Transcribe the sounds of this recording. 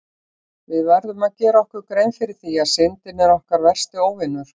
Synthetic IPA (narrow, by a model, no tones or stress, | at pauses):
vɪðvajɾðʏmaðcɛːɾaɔhkʏɾkɾejnfɪɾɪθiaðsɪnt̪ɪnɛɾɔhkaɾvɛr̥st̪ɪoːwvɪnːʏɾ̥